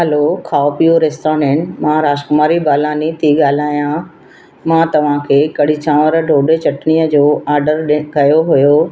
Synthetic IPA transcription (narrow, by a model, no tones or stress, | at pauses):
ɦɛlokʰaːopijoɾeːsʈaːɾɖẽːɳʈmãːɾaːʃkʊmaːɾibaːlaːnit̪ʰiɠaːl̤aːjã | mãt̪ɐʋ̤ãkʰeːkɐɽit͡ɕãːʋəɾɖʱoːɖet͡ɕɐʈnijəd͡ʑoːaːɾɖəɾɗkɐjoɦʊjo